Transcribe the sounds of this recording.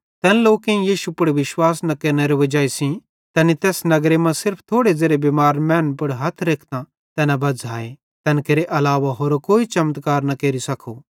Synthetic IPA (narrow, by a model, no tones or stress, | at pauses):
t̪ɛːnloːkẽjiːʃupʊɽʋɪʃwaːsnɐkeːɾneɾeʋɐd͡ʒaːisĩ | t̪ɛːnit̪ɛːsnɐɡɾemãsɪɾpʰt̪ʰoːɽed͡zeːɾebeːmaːɾmɛːnpʊɽɦɐt̪ʰɾeːkʰt̪ã | t̪ɛːnãbɐd͡zɦaːẽ | t̪ɛːnkeːɾeʔɐlaːʋaɦoːɾokoːit͡ʃɐmt̪kaːɾnɐkeːɾisɐkʰo